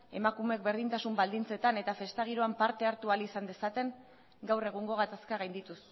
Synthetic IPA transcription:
e̞makume̞k̚be̞ɾð̞int̪asumbald̪int͡se̞t̪ane̞t̪afe̞st̪aɣ̞iɾo̞ampaɾt̪e̞aɾt̪ualisand̪e̞sat̪e̞ŋ | ɡawre̞ɣ̞uŋɡo̞ɣ̞at̪askaɣajnd̪it̪us

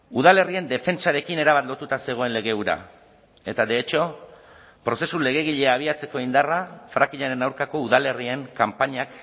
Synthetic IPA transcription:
uð̞ale̞rie̞nd̪e̞fe̞nt͡saɾe̞kine̞ɾaβat̪lo̞t̪ut̪ase̞ɣ̞o̞e̞nle̞ɣ̞e̞uɾa̰ | e̞t̪ad̪e̞ːt͡ʃo̞ | pɾo̞se̞sule̞ɣ̞e̞ɣ̞iʎe̞aːβ̞iat͡se̞ko̞ind̪arafɾakiʎaɾe̞nawɾkako̞uðale̞rie̞ŋkampaɲak

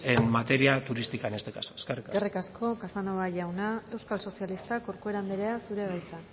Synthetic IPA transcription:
emat̪e̞ɾiat̪uɾist̪ikanest̪ekasoeskerikaerikaskʰo̞kasanoβaʝawnae̞wskalso̞sjalist̪ako̞ɾkue̞ɾand̪eɾeasuɾe̞βajt͡sa

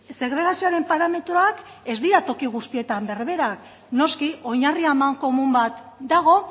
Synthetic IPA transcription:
se̞ɣɾe̞ɣ̞asioaɾe̞mpaɾame̞t̪ɾoak | e̞zd̪iɾat̪o̞kiɣ̞ust̪ie̞t̪ambe̞rβe̞ɾak | no̞skio̞ɲariamaŋko̞mumbat̪d̪aɣ̞o̞

